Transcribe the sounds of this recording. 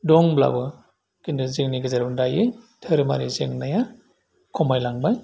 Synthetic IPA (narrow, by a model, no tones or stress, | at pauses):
dɔŋbla̰bɯ | kindɯzeŋniɡɯzaɾandajɯtʰɯɾɯma̰ɾizeŋnaja | kʰɔmajlaŋbaj